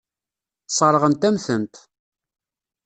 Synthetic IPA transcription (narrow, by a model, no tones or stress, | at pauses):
sˤəɾˤəʁənt̪æmθənt̪